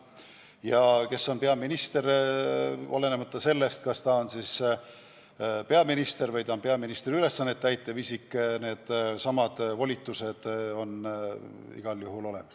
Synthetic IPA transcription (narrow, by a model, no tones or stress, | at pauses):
jɑke̞sːo̞npe̞ɑminist̪e̞ɾ | ɑle̞nemɑt̪ˑːɑse̞lːe̞st̪kɑst̪ɑo̞nsis | pe̞ɑminist̪e̞ɾvɯjd̪ɑnpe̞ɑminist̪eɾyle̞sːɑnːet̪ːæjt̪ːˑevisikːne̞ːd̪̥sɑmɑd̪̥volʲit̪ːˑuse̞d̪̥o̞n | ḭɡ̥ɑljuɦulo̞le̞̰mɑs